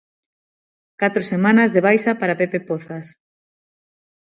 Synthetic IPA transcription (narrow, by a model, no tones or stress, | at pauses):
kat̪ɾosemãnazðeβ̞ajsapaɾapepepoθas